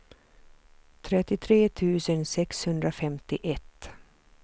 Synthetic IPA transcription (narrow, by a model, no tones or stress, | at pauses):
t̪ʰɾɛt̪ːɪt̪ʰɾeːt̪ʰʉ̟ːsənsɛkshɵnd̪ɾafɛmt̪ɪʔɛt̪ː